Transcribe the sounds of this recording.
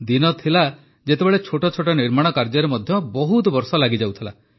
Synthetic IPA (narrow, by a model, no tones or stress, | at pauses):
d̪inɔt̪ʰila | d͡ʒet̪ebeɭet͡ʃʰoʈɔt͡ʃʰoʈɔniɾmaɽ̃ɔkaɾd͡ʒɔɾemɔd̪ʱjɔbɔɦut̪bɔɾsɔlaɡid͡ʒawt̪ʰila̰